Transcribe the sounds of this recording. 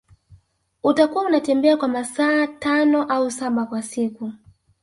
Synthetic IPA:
utakuaunatɛmbɛakwamasaːtanɔʔausaɓakwasiku

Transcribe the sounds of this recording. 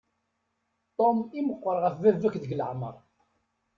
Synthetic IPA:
t̪ˤomiməqːəɾˤʁəfːævækðəɡlə̰ʕmə̰ɾˤ

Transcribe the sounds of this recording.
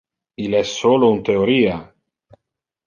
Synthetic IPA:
ilɛsːoːlount̪eoɾiːa

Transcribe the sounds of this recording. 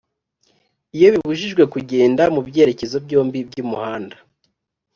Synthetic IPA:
ijo̞βiβuʒiʒɡwe̞kuɟe̞ːndamubɟe̞ːɾe̞ce̞zo̞bɟo̞ːmbibɟuːmuhaːnda

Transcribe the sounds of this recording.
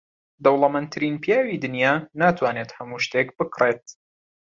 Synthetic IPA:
d̪ɐwlˠɐmənt̪ʰɨɾiːnpjaːwiːd̪ɨnjaːnaːt̪ʰwaːneːt̪hɐmuːʃt̪ekbɨkʰret̪̚

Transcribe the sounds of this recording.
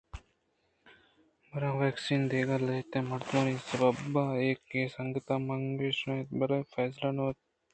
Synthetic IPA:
bɐɾãːʋɛːksiːnd̪eːɡalɐɦit̪ẽːmɐɾt̪maːnisɐbɐbaːeːkːeːsɐŋɡət̪aːmɐŋɡeːʃɐ̃et̪bɐɾɐfɛːslanoːt̪

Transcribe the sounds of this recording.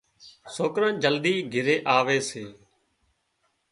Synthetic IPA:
soːkɾãːd͡ʒəld̪iːɡʱɪɾeːʔaːʋeːseː

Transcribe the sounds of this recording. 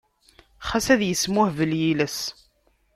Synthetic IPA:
χæsæðjəsmʊhvəljiləs

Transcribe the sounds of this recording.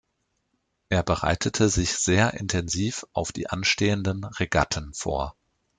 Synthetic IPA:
ʔeːɐbəʁa̰ɪtʰətʰəzɪçz̥eːɐʔɪntʰɛnziːfʔaʊfd̥ḭːʔanʃteːəndənʁeɡatʰən̩fo̰ːɐ

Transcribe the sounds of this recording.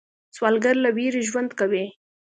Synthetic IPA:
swɑlɡaɾlaweɾeʒwand̪kawe

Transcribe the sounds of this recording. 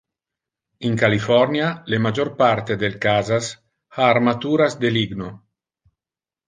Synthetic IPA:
iŋkalifɔrnjalemad͡ʒoɾpaɾt̪ed̪elkazas | haːɾmat̪uːɾazd̪eliɡno

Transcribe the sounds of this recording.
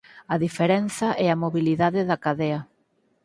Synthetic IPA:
ɐðifeɾɛnθɐʔɛɐmoβiliðaðɪðɐkaðɛɐ

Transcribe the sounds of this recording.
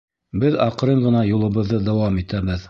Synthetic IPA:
bɘðɑqɤ̆ɾɤɴʁɤ̆nɑjulˠɤ̆βɤ̆ðːɤd̪æwɑmit̪æbɘð

